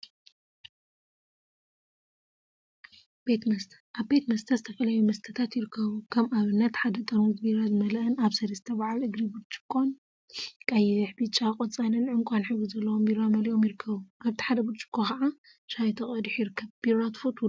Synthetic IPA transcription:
b̥et̪mɐst̪ʰɐ̥ʔaβbe̞t̪mɐst̪ʰɐzɨt̪ʰɐfɐlɐjumɐst̪ʰɐt̪ʰat̪jɪɾɨkʰːɐβukʰɐmʔaβɨnːɐt̪ħad̪ɐt̪ʼɐɾuzbiɾazmɐlɐʔɨnaβsɐɾɐsɨt̪ʰɐβʕalʔɨɡɾibud̪t͡ʃʼɨ̥kʰʼːon | kʼajɪħbit͡ʃʼakʼot͡sʼanɨnʕɨŋkʷʼanħɨβɨzɐlːɐwombiɾamɐliʔo̞mjɪɾɨkʰːɐβuʔaβt̪ʰi̥ħad̪ɐbud̪t͡ʃʼɨ̥kʰʼːokaʕa | ʃajt̪ʰɐχʼɐd̪ħjɪɾɨkʰːɐβb̥iɾat̪fot̪

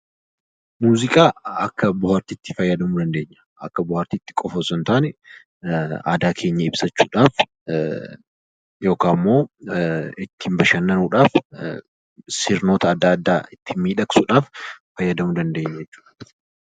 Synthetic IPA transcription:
muːzɪkʼaːɐkːɐbʊhaːɾt̪iːt̪ːɪ̥fɐjːɐd̪ɐmʊd̪ɐnd̪e̞ːɲːɐ̥ʔɐ̰kːɐbʊhaːɾt̪iːt̪ːɪ̥kʼɔfɐsɔnt̪aːnɛ | a̰ːd̪aːkʰe̞ːɲːɐɪbsɐt͡ʃːuːᶑaːf | jo̞ːkaːmːo̞ː | ɪt̪ːɪmbɐʃɐnːɐnuːᶑaːf | sɪɾno̞ːt̪ɐːd̪ːɐɐd̪ːaːɪt̪ːɪmiːᶑɐksuᶑaːfː | ɐjːɐd̪ɐmʊd̪ɐnd̪e̞ːɲːɐjɛt͡ʃːu̥ːᶑɐ̥

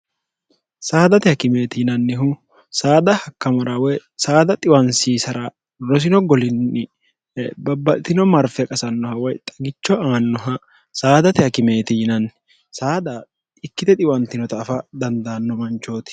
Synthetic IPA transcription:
saːd̪ɐt̪ɪhɐkɪme̞ːt̪ɪjɪnɐnːɪɦʊ | saːd̪ɐhɐkːɐmɐɾɐwɔjsaːd̪ɐt̪ʼɪwɐnsiːsɐɾɐ | ɾɔs̬ɪnɔɡɔlɪnːɪ | bɐbːɐt̪ɪnɔmɐɾfɛkʼɐsɐnːɔhɐwɔjt̪ʼɐ̥ɡɪt͡ʃːɔaːnːɔɦɐ | saːd̪ɐt̪ɪhɐkɪme̞ːt̪ɪjɪnɐnː | saːd̪ɐ | ɪkːɪt̪ɛt̪ʼɪwɐnt̪ɪnɔt̪ɐːfɐd̪ɐnd̪aːnːɔmɐnt͡ʃːo̞ːt̪ɪ̥

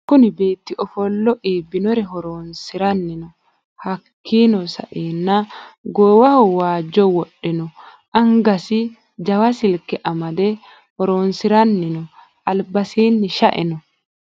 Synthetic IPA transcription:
kʊnɪbeːt̪ːɪʔɔfɔlːɔʔiːbːɪnɔɾɛɦɔɾoːnsɪɾɐnːɪnɔ | hɐkʰːiːnɔsɐ̰ʔiːnːaɡɔwaɐhɔwaːd͡ʒːɔwɔɗːɛnɔ | ʔɐŋɡɐsɪ | d͡ʒɐwasɪlkɛʔɐmɐd̪ɛ | hɔɾoːnsɪɾɐnːɪnɔ | ʔɐlbɐsiːnːɪʃaʔɪ̰nɔ

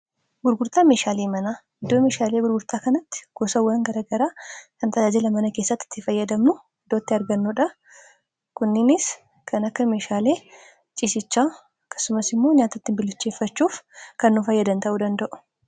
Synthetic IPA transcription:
ɡʊɾɡʊɾt̪aːme̞ːʃaːleːmɐnaː | ɪd̪ːoːme̞ːʃaːle̞ːɡʊɾɡʊɾt̪aːkɐnɐt̪ːɪ̥ɡ̥ɔsɐwːɐŋɡɐɾaːɡɐɾaːkɐnt̪ɐd͡ʒaːd͡ʒɪlɐmɐnɐke̞ːsːɐt̪ːɪ̥t̪ːɪfɐjːɐd̪ɐmnʊ | ɪd̪oːt̪ːɪɐɾɡɐnːʊᶑɐ | kʊnːɪnɪs | kʰɐnɐkːɐme̞ːʃaːle̞ː | t͡ʃʼisɪt͡ʃːaː | ɐkːɐ̥sʊmɐsɪmːo̞ːɲaːt̪ɐt̪ːɪmbɪlːʊt͡ʃːe̞ːfːɐt͡ʃːuːfkɐnːʊfɐjːɐd̪ɐnt̪ɐʔuːd̪ɐnd̪ɐʔʊ̥

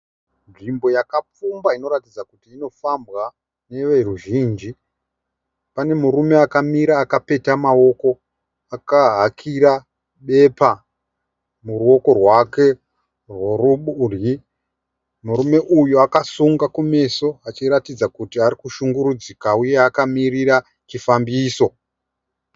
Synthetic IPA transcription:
nʐimbo̞jakap͡fumbaino̞ɾatid͡zakutiːno̞fambwa | ne̞ʋe̞ruʒiːnd͡ʒi | pane̞muɾume̞akamiɾaːkape̞tamao̞ko̞ | akaɦakʰiɾa | ɓe̞pa | muruo̞ko̞rwake̞ | rworuɓuri | muɾume̞ʔujuakasuŋɡakume̞so̞at͡ʃiɾatid͡zakutiaɾikuʃuŋɡuɾud͡zikauje̞akamirira | t͡ʃifambiːso̞

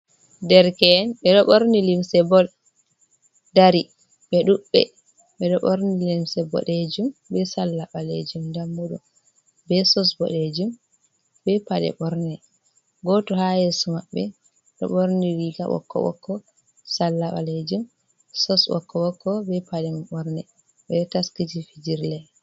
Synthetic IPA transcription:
dɛɾkɛnɓɛɗɔɓoɾnilimsɛbɔl | daɾi | ɓɛɗuɓːɛ̰ | ɓɛɗɔɓoɾnilimsɛbɔ̰ɗed͡ʒumbɛsalːaɓalḛd͡ʒumndamːuɗu | bɛsɔsbɔ̰ɗed͡ʒum | bɛpaɗɛ̰ɓɔɾnɛ | ɡɔtɔhajesɔmaɓːɛ | ɗɔ̰ɓoɾniɾiɡa̰ɓɔ̰kːɔ̰wɔ̰kːɔ | salːaɓa̰led͡ʒum | sɔsɓɔ̰kːɔwɔkːɔbɛpaɗɛmɓɔɾnɛ | ɓɛɗɔtaskid͡ʒifid͡ʒiɾlɛ

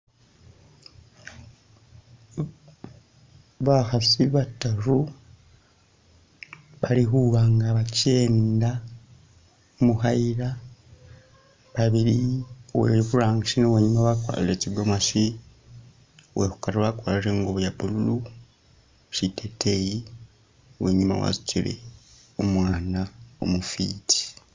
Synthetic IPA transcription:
βaxasiβataɾu | βaliɦuɣaːŋɡaβaceːnda | muxaiɾa | βaβiliwḛβuɾaːŋɡaʃinoweɲumawakwa̰ːlilet͡ʃiɡomaʃi | wehu̥kaɾβakwaːliɾeŋɡoβjaβululu | ʃitʰetʰeji | wḛɲima̰wa̰ziciɾḛ | omwaːnao̰mufiːtʰi̥

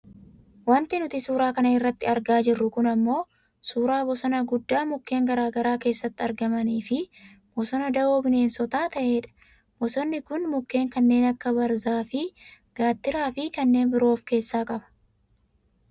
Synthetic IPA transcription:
wɐnt̪ɪnʊt̪ɪsuːɾaːkɐnɐɪrːɐt̪ːɪɐɾɡaːd͡ʒɪrːʊkʊnɐmːo̞ː | suːɾaːbɔsɔnɐɡʊd̪ːaːmʊkːe̞ːŋɡɐɾaːɡɐɾaːke̞ːsːɐt̪ːɪɐɾɡɐmɐniːfɪ | b̥ɔsɔnɐd̪ɐoːbɪne̞ːnsɔt̪aːt̪ɐʔe̞ːᶑɐ̥ | bɔsɔnːɪkʊnmʊkːe̞ːŋkɐnːe̞ːnɐkːɐbɐɾzaːfɪ | ɡ̥aːt̪ːɪɾaːfɪkɐnːe̞ːnbɪɾo̞ːfke̞ːsːaːkʼɐbɐ̥

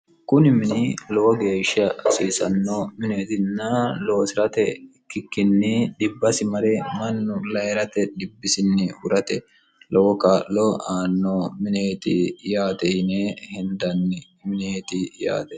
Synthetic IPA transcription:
kʊnɪmɪnɪlɔwɔɡe̞ːʃːɐsiːsɐnːɔmɪne̞ːt̪ɪnːɐlowsɪɾɐt̪ɛkːɪkːɪnːɪᶑɪbːɐsɪmɐɾɛmɐnːʊlɐjɛɾɐt̪ɛᶑɪbːɪsɪnːɪʊɾɐt̪ɛ | lɔwɔkaːlːɔaːnːɔmɪneːt̪ɪjaːt̪ɛjnehɪnd̪ɐnːɪ | mɪneːt̪ɪja̰ːt̪ɛ

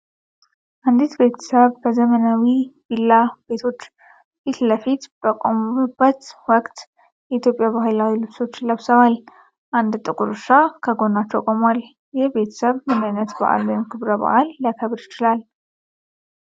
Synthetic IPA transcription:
ʔand̪it̪be̞t̪ʰə̥səβbəzəmənawibilːabe̞t̪ʰo̞t͡ʃː | fit̪ləfit̪b̥əkʼomuubːət̪wɔkʼt̪ | jɛit̪ʰjopʼjabaɦɨlawilɨβso̞t͡ʃːləβsəβal | ʔand̪t̪ʼɨkʼuɾɨʃakʰəɡo̞nat͡ʃːəwkʼomal | jɛhbe̞t̪ʰə̥səβmɨnajnət̪ba̰ʔa̰lumkʰɨβɾəba̰ʔalːəkʰəβɾɪt͡ʃɪlal

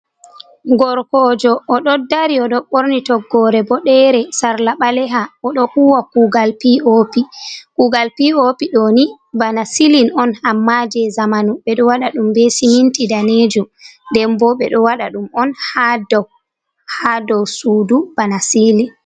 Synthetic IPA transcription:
ɡɔɾkɔd͡ʒɔʔːɗɔdːaɾiɔɗɔɓoɾnitɔɡːɔɾɛbɔɗɛɾɛsaɾlaɓalɛɦaɔɗɔhuwakuɡalpiopikuɡalpiopiɗoni | banasilinɔnamːad͡ʒɛzamanuɓɛɗɔwaɗaɗumbesihintidaned͡ʒundɛmbɔɓɛɗɔwaɗaɗumɔnhadɔw | hadɔwsuːdub̥anasilin

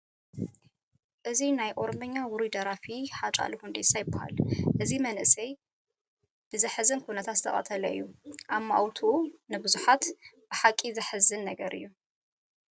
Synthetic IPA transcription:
ʔɨzinajʔo̞ɾomɐɲːawʊɾid̪ɐɾafiħat͡ʃʼa̰luhund̪esajɪbɐha̰lʔɨzimɐnʔɨsɐj | b̥ɨzɨħɨzɨnkʰunɐt̪ʰat̪zɨt̪ʰɐχʼɐ̰t̪ʰɐlɐɨ̰jːuʔamːaʔawt̪ʰuunɨbɨzuħat̪b̥ɨħakʼːizɨħɨzɨnːɐɡɐɾʔɨ̰jːu

